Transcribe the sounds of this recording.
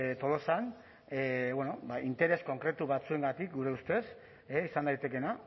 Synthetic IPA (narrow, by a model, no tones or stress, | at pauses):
t̪o̞lo̞san | βwoeno̞baint̪e̞ɾe̞sko̞ŋkɾe̞t̪uβat͡sue̞ŋɡat̪ikɡuɾe̞ust̪e̞s | eisand̪ajt̪e̞ke̞na